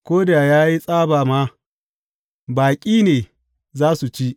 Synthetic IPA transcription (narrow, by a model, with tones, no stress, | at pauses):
kʷoː˦da˨jaː˦ji˦sʼaː˦baː˨ma˦ | baː˨kʲʼiː˦neː˨ | zaː˦su˨t͡ʃi˦ʔ